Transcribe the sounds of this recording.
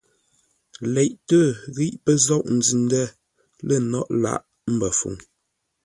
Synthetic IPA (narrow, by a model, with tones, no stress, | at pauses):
lɛ˨ʔtə˦˨ɣi˦ʔpə˦zɔ˦˨ʔn̩˨d͡zi˨ndə˦˨ | lə˦˨nɔ˦ʔla̰˦˨ʔ | m̩˦bə˨fṵ˨ŋ